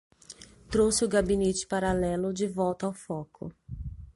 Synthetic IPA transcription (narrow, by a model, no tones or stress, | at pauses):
t̪ɾowsɪʊɡabinet͡ʃɪ̥paɾalɛlʊd͡ʒɪvɔwt̪ɐawfɔkʊ̰